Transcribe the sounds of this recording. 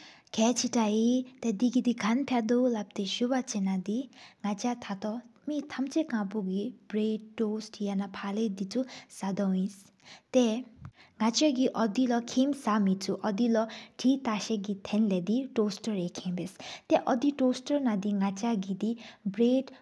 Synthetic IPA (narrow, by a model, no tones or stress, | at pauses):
ɡ̥ʰʱɛt͡sʰiʈait̪ɛd̪iɡid̪iɡʱanpʰad̪olap̚t̪eʃubat͡senad̪iŋat͡ʃat̪ʰat̪ɔmit̪ʰamt͡sekãpuɡib̥ɾeɖʈosʈjanapʰaled̪it͡susad̪ɔwĩs | t̪ɛ | ŋat͡ʃɔɡiʔɔd̪ilʌkʰimsamit͡sʰuʔʌd̪ilʌʈʰit̪aʃeɡit̪ʰenlɛd̪iʈosʈɔɾekʰẽbest̪ɛʔʌd̪iʈosʈɔɾnad̪iŋat͡ʃaɡid̪ibɾeʈ